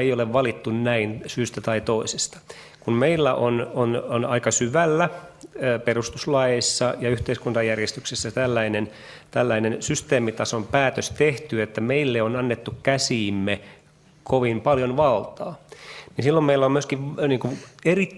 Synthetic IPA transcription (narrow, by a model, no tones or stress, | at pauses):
eijoleʋʋɑlit̪ːunnæinsyːst̪æt̪ɑit̪oise̥st̪ɑ̥ | kummeilːæʔonononɑikɑsyʋælːæ | perust̪uslɑjeisːɑjɑyht̪eiskunt̪ɑjærjest̪yksesːæt̪ælːæinen | t̪ælːæinensyst̪eːmit̪ɑsompæːt̪øst̪eht̪yet̪ːæmeilːeonɑnːet̪ːukkæsiːmːe | kʰoʋimpɑljonʋɑlt̪ɑːninsilːommeilːæomyøskiʋniːŋkueri